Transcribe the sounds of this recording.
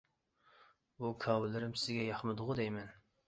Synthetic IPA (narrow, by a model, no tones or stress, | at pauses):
bukʰɑːwɨlɪɾɪmsɪzɡʲɛjɑχmɨd̪ʊʁʊd̪ɛjmɛn